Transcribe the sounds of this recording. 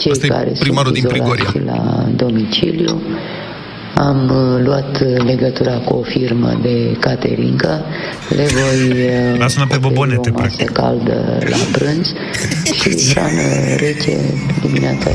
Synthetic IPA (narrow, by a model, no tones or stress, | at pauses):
t͡ʃejkaɾe̞̰sɾimaɾud̪ipɾiaoɾʃilad̪o̞mit͡ʃilju | amluat̪le̞ɡət̪uɾakuofirmə̰d̪e̞kat̪ḛɾiŋkə | le̞vo̞jasunapeboboneoemasəkald̪ə̰lapɾɨnz̥ | ʃiɦɾanəɾet͡ʃe̞̰d̪imineat̪sa̰